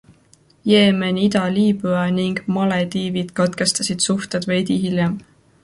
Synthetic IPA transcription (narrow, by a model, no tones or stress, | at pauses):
jeːmenʲid̪ɑliːbyɑniŋɡ̥mɑled̪iːvid̪̥kɑt̪ke̞st̪ɑsid̪̥suht̪ed̪vejd̪iɦiljem